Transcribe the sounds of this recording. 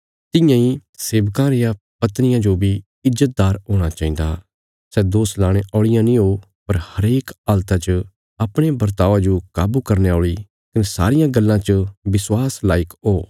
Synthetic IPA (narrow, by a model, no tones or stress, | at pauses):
t̪ɪjãiseːbkãɾejã | pɐt̪nɪjãd͡ʒoːbʱi | ɪzət̪̚d̪aːɾɦoːɽ̃at͡ʃaːĩːnd̪a̰ | sɛd̪oːslaːɽ̃eʔɔːɭɪjãnĩɦo | pɐɾhɐɾeːkaːlt̪at͡ʃə | ɐpɽ̃ebɐɾt̪aːʋãd͡ʒokaːbukɐɾneɔːɭi | kɐnɛsa̰ːɾɪjãɡɐlːãt͡ʃəbɪswaːslaːɪkɦoː